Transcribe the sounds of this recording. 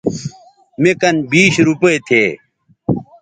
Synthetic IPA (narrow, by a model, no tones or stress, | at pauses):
mekɐnbiːɕɾupɐet̪ʰeː